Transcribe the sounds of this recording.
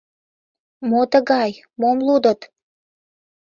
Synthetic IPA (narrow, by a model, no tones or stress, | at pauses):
mot̪əɣɑj | momlud̪ət̪